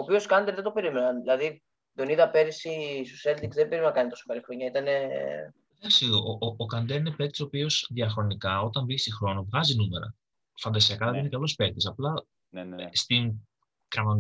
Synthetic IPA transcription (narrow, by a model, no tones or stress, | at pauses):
oːpioskɐnd̪eɾðe̞t̪o̞pe̞ɾimenɐnðilɐði | d̪oniðɐpeɾisisuselt̪ikzðebeɾipinɐkɐnit̪o̞so̥pɐlixɾo̞ɲɐit̪ɐne̞ | ðɐksioʔʔoːkɐnd̪eɾinepeɾt̪i̥so̞pio̞sðiɐfɾo̞nikɐo̞t̪ɐɱviçsixɾo̞novɣɐzinume̞ɾɐ̰ | fɐnd̪ɐsiɐkɐðeiinekɐlo̞speɾt̪isɐplɐ | st̪iŋ | kɾɐmɐ